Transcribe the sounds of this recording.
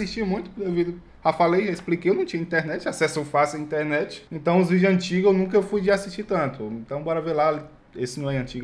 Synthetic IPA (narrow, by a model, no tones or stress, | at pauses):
siʃt͡ʃimũj̃t̪ʊd̪evid̪ʊ | hafalejʒaisplikejewnɐ̃w̃t͡ʃĩɐĩt̪ɛɾnɛt͡ʃɪasɛsowfasɪwaĩt̪ɛɾnɛt͡ʃɪ̥ẽnt̪ɐ̃w̃ʊzvid͡ʒɐ̃t͡ʃiɡɐewnũk̬ɐewfujd͡ʒɪasiʃt͡ʃit̪ɐ̃nt̪ʊẽt̪ɐ̃w̃bɔɾɐvelai | esɪnɐ̃w̃ɛɐ̃nt͡ʃiɡɐ